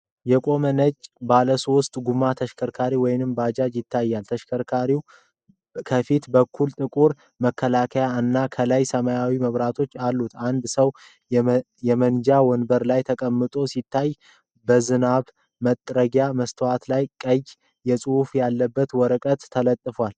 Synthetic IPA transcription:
jɛkʼo̞mənət͡ʃʼbaləsost̪ʼɡumat̪ʰəʃkʰəɾkʰaɾiwɔjnɨmbad͡ʒad͡ʒjɪt̪ʰːajːalt̪ʰəʃkʰəɾkʰaɾiw | kʰəfit̪bəkʰːult̪ʼɨkʼuɾ | məkʰːəlakʰəjaɨnːakʰəlajsəmajawiməβɾat̪ʰo̞t͡ʃːalːut̪and̪səw | jɛmənd͡ʒawɔnbəɾlajt̪ʰəkʼəmːɨt̪ʼo̞sit̪ʰːaj | bəzɨnaβ | mət̪ʼːɾəɡjaməst̪ʰəwat̪lajkʼəjː | ɛsʼɨufjalːəbːət̪wɔɾəkʼət̪ʰːələt̪ʼːɨfwal

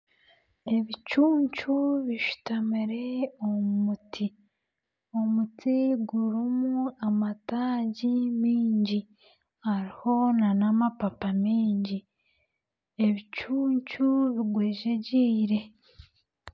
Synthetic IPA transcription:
e̞βit͡ʃuːɲt͡ʃuβiʃu̥tamiɾe̞ommutʰi | o̞mutiɡuɾimuamataːɟimiːɲɟi | haɾiho̞nanamapapamiːɲɟi | e̞βit͡ʃuːɲt͡ʃuβiɡweːʒeɟiːɾe̞

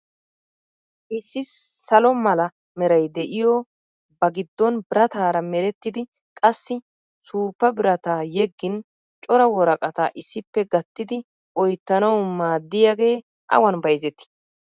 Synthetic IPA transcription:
ʔɪsːɪsɐlɔmɐlɐ | mɛɾɐjd̪ɛʔɪjɔ | bɐɡɪd̪ːɔnbɪɾɐt̪aːɾɐmɛlɛt̪ːɪd̪ɪ | kʼɐsːɪ | suːpːɐbɪɾɐt̪ajɛɡːɪn | t͡ʃʼɔɾɐwɔɾɐkʼɐt̪ɐʔɪsːɪpːɛɡɐt̪ːɪd̪ɪ | ʔɔjt̪ːɐnɐwmaːd̪ːɪjaɡe̞ː | ʔɐ̰wɐnbɐjzɛt̪ːɪ̥

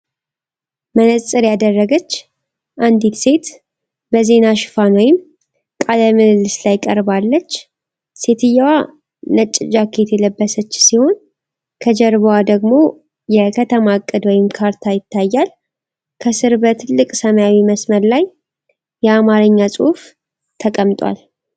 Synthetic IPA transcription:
mənəsʼɨɾjad̪ərːəɡət͡ʃː | ʔand̪it̪se̞t̪ | bəze̞naʃɨ̥fanwɔjɪm | kʼaləmɨnɨlːɨslajkʼəɾbalːət͡ʃː | se̞t̪ʰɨjːawa | nət͡ʃʼːɪd͡ʒakʰe̞t̪jɛləbːəsət͡ʃːsiho̞n | kʰəd͡ʒɛɾβwad̪əɡmo̞ | jɛkʰət̪ʰəmakʼːɨd̪wɔjɪmkʰaɾt̪ʰajɪt̪ʰːajːal | kʰəsɨɾbət̪ʰɨlːɨkʼsəməjawiməsməɾlaj | jɛamaɾɨɲːasʼɨhf | t̪ʰəkʼəmt̪ʼwa̰l

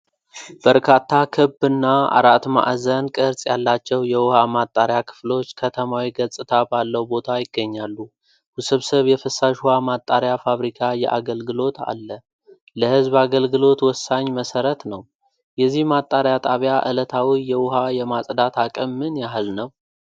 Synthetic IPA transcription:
b̥əɾkʰat̪ʰːakʰɨbɨnːaa̰ɾat̪ma̰ʔzənkʼɨɾsʼjalːat͡ʃːɛwjɛwʊhamat̪ʼːaɾjakʰɨ̥flo̞t͡ʃːkʰət̪ʰəmawiɡəsʼɨt̪ʰabalːəwbo̞t̪ʰajɪɡːəɲːalːu | husɨβsəβjɛfɨsːaʃhuhamat̪ʼːaɾjafaβɾikʰajɛ̰ʔaɡəlɡɨlo̞t̪a̰lːə | ləhɨzbaɡəlɡɨlo̞t̪wɔsːaɲːməsəɾət̪nəw | jɛzːihmat̪ʼːaɾjat̪ʼaβjaʔɨlət̪ʰawijɛwʊɦajɛmasʼd̪at̪ʰakʼəmːɨnjaɦlnəw

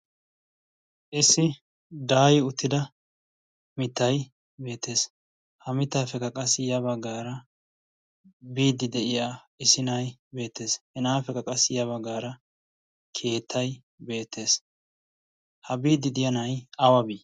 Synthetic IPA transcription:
ʔɪsːɪ | d̪aːjɪʊt̪ʰːɪd̪ɐ | mɪt̪ːɐj | be̞ːt̪ːe̞ːs | hɐmɪt̪ːaːfɛkɐkʼɐsɪjɐβɐɡaːɾɐ | biːd̪ɪd̪ɛʔɪjaː | ɪsɪnɐjbe̞ːt̪ːe̞ːshɛnaːfɛkɐkʼɐsɪjɐβɐɡaːɾɐ | kʰe̞ːt̪ʰːɐj | be̞ːt̪ʰːe̞ːs | hɐbiːd̪ɪd̪ɪjɐnɐjɐwɐbiː

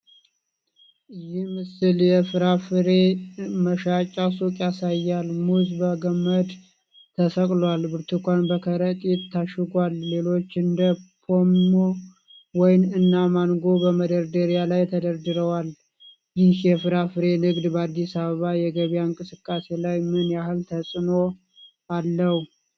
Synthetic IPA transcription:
ʔɨjɪhmɨsɨljɛfɨɾafɨɾe̞məʃat͡ʃʼːasukʼjasajːalmuzbəɡəmːəd̪ | t̪ʰːəsəkʼlwalbɨɾt̪ʰukʷanbəkʰəɾət̪ʼit̪ʰːaʃɪɡʷalːe̞lo̞t͡ʃːɨnd̪əpʰomːo | wɔjnɨnːamanɡo̞bəməd̪əɾd̪əɾijalajt̪ʰəd̪əɾd̪ɨɾəwal | jɪhjɛfɨɾafɨɾe̞nɨɡd̪bəad̪ːisaβəβajɛɡəβjaɨŋkʼɨsɨkʼːase̞lajmɨnjahɨlt̪ʰəsʼɨno̞ | alːəhu

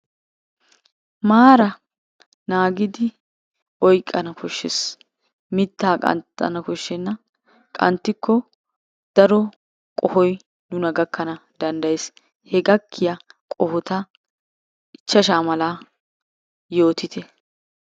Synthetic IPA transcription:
maːɾɐ | naːɡɪd̪ɪ | ʔɔjkʼːɐnɐkɔʃːɛs | mɪt̪ːaːkʼɐ̰nt̪ːɐ̰nɐkɔʃːɛnːɐ | kʼɐ̰nt̪ːɪkːɔ | d̪̥ɐɾɔ | kʼɔhɔj | nʊnɐɡɐkːɐnɐd̪ɐnd̪ɐjes | hɛɡɐkʰːɪjɐkʼɔhɔt̪ɐ | ɪt͡ʃːɐʃaːmɐlaː | jo̞ːt̪ɪt̪ɛ

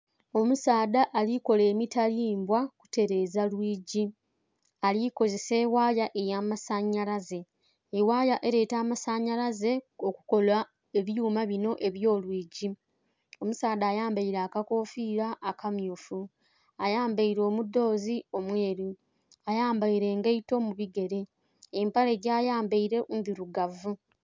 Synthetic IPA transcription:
o̞musaːdaʔːliko̞le̞ːmitaliːmbwaku̥te̞ɾe̞ːzalwiːɟi | aliko̞ze̞se̞ːwaːjaʔe̞jaːmasaɲːalaze̞ː | waːjaʔe̞ɾe̞ːtaːmasaɲːalaze̞okuko̞la | e̞βjuːmaβino̞ʔe̞βjo̞ːlwiːɟi | o̞musaːdaːjaːmbaiɾaːkako̞ːfiːɾaʔːkamjuːfu | ajaːmbaiɾo̞ːmudːo̞ːzio̞mwe̞ːɾi | ajaːmbaiɾe̞ːŋɡeito̞muβiɡe̞ɾe̞ː | mpale̞ɟaːjaːmbaiɾe̞ʔunðiɾuɡavu

